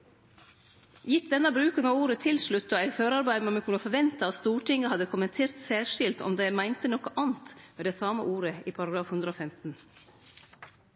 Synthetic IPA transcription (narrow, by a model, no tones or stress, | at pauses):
jɪt̪̚d̪ɛnːəbɾʉːkənɑuːɾət̪ʰɪlʃɭʉt̪ːɔæɪføːɾɑɾbæɪməmɛkʰʉnəfɔɾʋɛnt̪ɑɑt̪st̪uːʈɪŋəhɑd̪əkʰʊmɛnt̪ʰeːɾt̪sæːɾʂɪlt̪ɔ̰md̪emæɪnt̪ənɔkəʔɑːnt̪meːd̪ɛːsɑːmə̰ʔuːɾəiːpʰɑɾɑɡɾɑːfhʉnd̪ɾəoːfɛmt̪n̩